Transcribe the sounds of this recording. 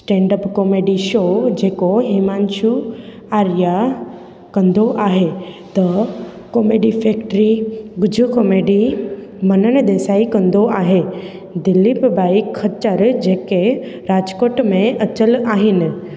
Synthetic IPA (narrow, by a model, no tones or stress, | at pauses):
sʈɛ̃ːɳɖəpkɔːmeːɖiʃoːd͡ʑeːkoɦiːmaːnʃʰu | aːɾija | kɐ̃nd̪oʔaːɦet̪ɐ | koːmeːɖifeːkʈɾiɡʊd͡ʑʱukoːmeːɖimɐnəñd̪eːsaːikɐ̃nd̪oaːɦe | d̪ɪlːibbʱaːikʰːɐt͡ʃəɾd͡ʑeːkeɾaːd͡ʒkoːʈmẽʔɐt͡ɕəlaːɦɪnɪ̆